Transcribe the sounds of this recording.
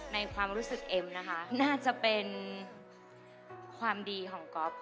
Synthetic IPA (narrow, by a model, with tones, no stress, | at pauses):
na˧jkʰwaː˧mɾuː˦˥sɯ˨˩k̚ʔe˧mna˦˥kʰa˦˥ʔnaː˥˩t͡ɕa˨˩pe˧n | kʰwaː˧mdiː˧kʰɔː˩˦ŋkɔ˦˥p̚